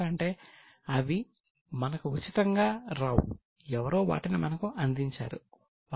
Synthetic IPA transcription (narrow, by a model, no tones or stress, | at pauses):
ɐɳʈe̞ː | ɐʋi | mɐnɐkuut͡ʃːit̪ɐŋɡaːɾaːwṵ | ɛʋɐɾo̞ːʋa̰ːʈinimɐnɐkuʔɐnd̪iɲt͡ʃa̰ːɾṵ | ʋ